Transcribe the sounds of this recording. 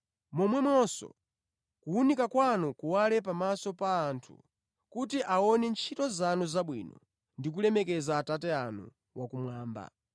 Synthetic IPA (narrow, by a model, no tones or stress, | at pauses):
mɔmwɛmɔsɔ̰ | kuːnikakwanɔkuwalɛpamasɔpaːntʰu̥̰ | kutiʔaɔnɛnt͡ʃʰitɔzanɔzaɓwḭːnɔ | ndik̬ulɛmɛkɛzaːtatɛanṵ | wʔakumwaːmba̰